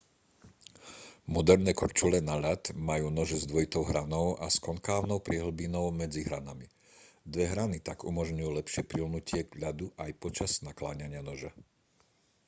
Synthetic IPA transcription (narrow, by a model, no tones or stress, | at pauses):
mɔd̪ɛɾnɛːkɔɾt͡ʃulɛnaʎat̪majuːnɔʒɛzd̪ʋɔjit̪ɔʊɦɾanɔʊʔaskɔŋkaːʊnɔʊpɾɪɛɦl̩binɔʊmɛd͡ziɦɾanami | d̪ʋɛɦɾanit̪aɡṵmɔʒɲujuːlɛpʃɪɛpɾilnucɪɛʎad̪uʔajpɔt͡ʃaznakla̰ːɲaɲɪanɔʒɛ